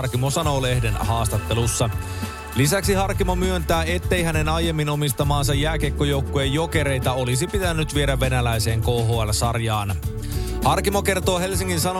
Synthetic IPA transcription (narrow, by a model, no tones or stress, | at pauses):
rkimosɑnoːle̞hde̞nhɑːst̪ɑt̪ːe̞lusːɑ | lisæksihɑrkimomyø̞nt̪æːe̞t̪ːe̞jhæne̞nɑje̞mːino̞mist̪ɑmɑːns̬ɑjːæːk̟ekːojo̞wkːuejːoke̞ɾe̞jt̪æo̞lisipit̪ænːyt̪ʋieɾæʋːe̞nælæjse̞ːŋkoːɦoːælsɑrjɑːn | hɑrkimo̞ke̞rt̪oːɦe̞ls̬iŋkinsɑno